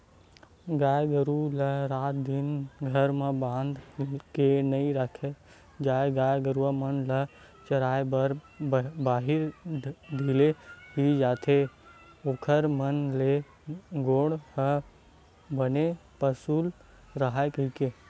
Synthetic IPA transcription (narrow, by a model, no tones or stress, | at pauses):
ɡaːjɡəɾuləɾaːt̪̚d̪ɪnɡʱəɾmebãːnd̪kenəĩɾəkʰe | d͡ʒaːeɡaːjɡəɾuwamənlə | t͡ʃəɾaːebəɾ | baːɦɪɾd̪ʱileɦid͡ʒaːt̪ʰe | oːkʰəɾmənle | ɡoːɽɦə | bənepəsul | ɾəɦaekəike